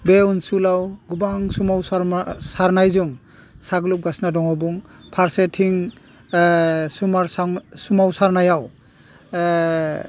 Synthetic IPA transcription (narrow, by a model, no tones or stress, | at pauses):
beunsulawɡubaŋsumawsɾsaɾnajzuŋ | saɡlup̚ɡasnadɔŋabuŋ | pʰaɾsetʰiŋ | sumaɾsaŋsumawsaɾnajaw